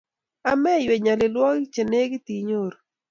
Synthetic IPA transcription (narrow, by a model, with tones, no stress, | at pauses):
a˨mɛ˦jwe˨ɲa˨lɪ˨lwɔ˦kt͡ʃe˨ne˦ɡɪ˦t̪i˨ɲo˦˨ɾ